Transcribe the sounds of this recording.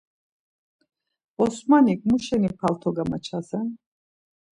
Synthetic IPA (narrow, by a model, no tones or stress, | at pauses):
ɔsmanikʼmuʃɛnipʰalt̪ʰɔɡamat͡ʃʰazɛn